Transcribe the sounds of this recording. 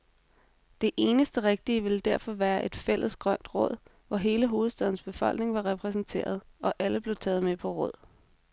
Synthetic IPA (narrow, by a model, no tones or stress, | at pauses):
d̥e̝ʔe̝ːnəsd̥əʁeɡ̥̚d̥iəʋe̝ld̥æɐfɒ̽ʋæːɐʔe̝d̥fel̰əsɡ̥ʁɶn̰d̥ʁɔ̽ð̞̰ˠ | ʋɒɦe̝ːləɦo̝ːð̩ˠsd̥ɛðˠn̩sb̥e̝fɒ̽l̰ɡ̥ne̝ŋʋɑ̈ʁɛpʰʁɛs̬n̩t͡sʰe̝̰ːɐð̞ˠʔɒ̽ʔæləb̥le̝ʊt͡sʰɛ̰ːð̞̩ˠmepʰɒ̽ʁɔ̽ð̞̰ˠ